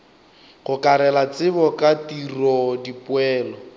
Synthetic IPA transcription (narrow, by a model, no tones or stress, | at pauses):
χʊkaɾɛlat͡sɪbɔkatirɔdipʊɛːlɔ